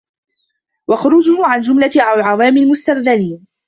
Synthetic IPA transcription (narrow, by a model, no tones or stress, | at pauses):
waxʊɾʊd͡ʒʊhʊʕand͡ʒʊmlaʔʕawalʕawaːmlmʊst̪aɾðaliːn